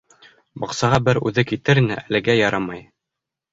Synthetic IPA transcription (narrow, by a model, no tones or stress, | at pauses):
bɑqsɑʁɑbɘɾʉðɘkit̪ɘɾinɘʔælɘ̆ɡæjɑɾɑmɑj